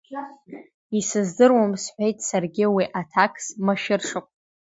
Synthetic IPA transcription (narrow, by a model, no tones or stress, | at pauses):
isɨzdɨrwamsħʷᶣejtʼsarɡʲɪwiʔatʰakʰsmaʃɪrʂɨkʷʼ